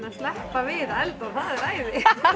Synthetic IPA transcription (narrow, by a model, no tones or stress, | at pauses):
naðst̪lɛhpavɪðɛlt̪awθaðɛɾaːjðɪ